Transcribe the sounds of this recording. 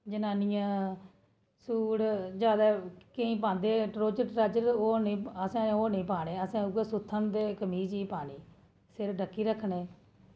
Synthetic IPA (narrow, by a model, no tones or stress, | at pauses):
d͡ʒənaːnɪjãː | suːɽd͡ʒjaːd̪aːkəĩːp̬ãːnd̪eːʈɾoːt͡ʃəʈɾaːd͡ʒəɾoːnĩːəsãːoːnĩːpaːɽeːəsãːʊɡesʊt̪ʰːənd̪eːkəmiːt͡ʃiːpaːɳiː | sɪɾɖəkːiːɾəkʰːɳeː